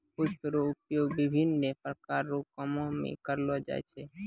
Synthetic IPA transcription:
pʊspɾoʊpjoɡbɪbʱɪnːepɾəkaɾːokɔmomḛ̃kəɾlod͡ʒa̰ḛt͡ʃʰe

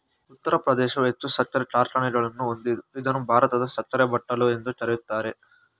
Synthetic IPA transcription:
ut̪ːɐɾɐpɾɐd̪ɛːʃɐʋet̪ːusɐt͡ʃːɐɾɐt͡ʃaːɾʈɐɳeʈɐlɐnːuond̪iid̪ɐnubʱaːɾɐt̪ɐd̪ɐsɐt͡ʃːɐɾɐbɐʈːɐlue̞nd̪ut͡ʃɐɾɐit̪ːaːɾe

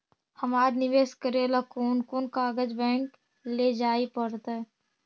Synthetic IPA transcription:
hɐmaːɾnɪʋeːskəɾeːlakuːnkunkaːɡəd͡ʒbɛ̃ːŋk | led͡ʒaːipəɽt̪aɛ

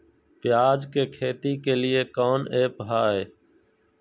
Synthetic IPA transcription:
pɪjaːd͡ʒkeːkʰeːt̪iːkeːlɪeːkoːneːpɦaːɦeː

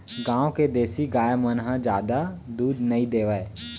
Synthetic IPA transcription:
ɡãːoked̪eːsiɡaːjamənɦəd͡ʒjaːd̪a | d̪uːd̪nɐĩd̪eːʋae

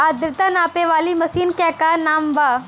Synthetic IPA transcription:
aːd̪ɾɪt̪anaːpeʋaːlimɐsiːnkɛːkanaːmbaː

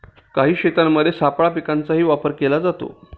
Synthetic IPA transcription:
kaɦiːɕet̪amːəd̪ʱːjesapɭapikant͡saɦiːʋapəɾkelad͡zat̪o̰

